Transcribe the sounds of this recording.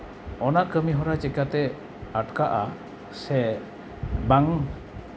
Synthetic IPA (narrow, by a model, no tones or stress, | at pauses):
ɔnaʔkəmiɦɔɾat͡ʃɛkat̪ɛ | aʈkaʔa | sɛ | baŋ